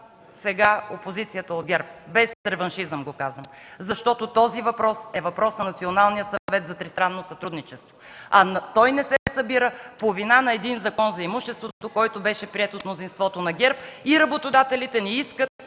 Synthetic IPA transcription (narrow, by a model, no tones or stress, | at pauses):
sɛɡaopozit̪sijət̪əod̪̚ɡʲɛɾp̚bɛsɾɛvɐnʃizəmɡokazvəmzɐʃt̪ɔt̪ot̪ɔzivɐpɾɔsɛvɐpɾɔsnɐnɐt̪sionalˠnijəsɐvɛt̪zɐt̪ɾist̪ɾanːosɐt̪ɾud̪nit͡ʃɛst̪voɐt̪ɔjnɛsɛsɐbiɾəpovinanɐɛd̪inzɐkɔnzɐimuʃɛst̪vot̪okɔjt̪obɛʃɛpɾiɛt̪ot̪mnozinst̪vɔt̪onɐɡʲɛɾpiɾɐbot̪od̪at̪ɛlit̪ɛnɛiskət̪̚